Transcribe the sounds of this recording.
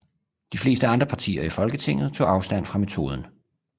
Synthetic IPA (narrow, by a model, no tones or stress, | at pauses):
d̥ifle̝̰ːsd̥əɑ̈nd̥ʁɐpʰɑ̈t͡sʰḭːɐifɒ̽lɡ̥ət͡sʰe̝ŋ̰ð̞̩ˠt͡sʰo̝̰ːɑ̈ʊsd̥æn̰fʁɑ̈me̝t͡sʰo̝̰ːð̞ˠn̩